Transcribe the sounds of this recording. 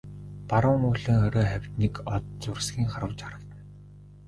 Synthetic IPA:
paɾʊːmʊːɮɘ̆ːŋɔɾʲɔːχæwʲt̪nikɔt̪t͡sʊrsɡʲiːŋχaɾə̆wt͡ɕaɾə̆kt̪ə̆n

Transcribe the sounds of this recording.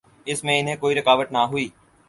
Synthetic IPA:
ɪsmẽɪnɦẽkoːiɾɪkaːʋəʈ̪naɦʊiː

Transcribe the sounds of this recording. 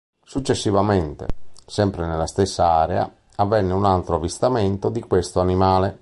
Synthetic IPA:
sut͡ʃːesːivamɛnt̪ɛ̰sɛmpɾenɛlast̪ɛsːaaːɾɛa̰ | avːɛnːeunalt̪ɾoavist̪amɛnt̪od̪ikwest̪oanimaːlɛ

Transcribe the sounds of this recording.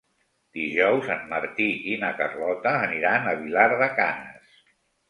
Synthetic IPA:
d̪̥iʒɔwzənməɾt̪iʔinəkərlɔt̪əːniɾanəβilaɾðəkanəs

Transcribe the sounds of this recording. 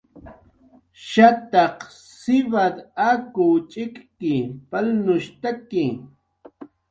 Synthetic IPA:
ʃat̪aq | sɪβad̪akʊt͡ʃʼɪkkɪpalnʊʃt̪akɪ

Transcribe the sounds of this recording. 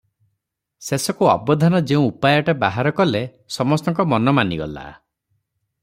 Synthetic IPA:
sesɔkuɔ̰bɔd̪ʱanɔd͡ʒeũupajɔʈabaɦaɾɔkɔle | sɔmɔst̪ɔŋkɔmɔnɔmaniɡɔ̰la̰

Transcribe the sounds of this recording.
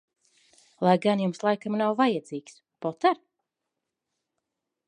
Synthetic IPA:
lˠajɡanjumslˠajkamnawvajad̪ziːks | pɔt̪aɾ

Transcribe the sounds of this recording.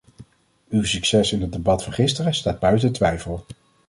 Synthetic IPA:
ywsyksɛsɪnɦədebɑtfɑnχɪstərəstaːd̚bœɥtəntʋɛjfəlˠ

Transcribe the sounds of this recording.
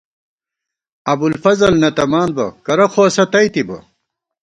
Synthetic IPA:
ɐbulfɐzɐlnɐt̪ɐmaːnbɐ̰kɐɾɐxʰoːsɐt̪ɐjt̪ibɐ̰

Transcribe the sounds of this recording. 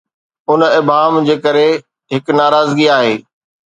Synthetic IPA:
ʊnɪbʱaːmd͡ʑeːkəɾe | ɦɪknaːɾaːzɡiaːɦeː

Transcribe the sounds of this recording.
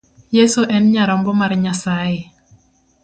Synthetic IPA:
jesoʔɛnɲaɾɔmbɔmaɾɲasaje

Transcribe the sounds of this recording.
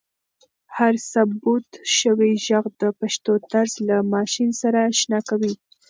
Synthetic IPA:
haɾsabut̪ʃəwiʒaɣd̪əpaʃt̪ot̪aɾzlamɑʃinsaɾaʃnɑkawi

